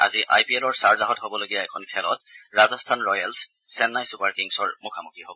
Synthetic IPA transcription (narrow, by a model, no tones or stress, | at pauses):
a̰ziʔa̰jpielɔɹsaɹzaɦɔtɦobɔloɡijaɛkʰɔnkʰɛlɔ̰t̚ɹazɔstʰanɹɔjalsː | ɛnːajsupaɹkiŋsɔɹmukʰamukʰiɦobɔ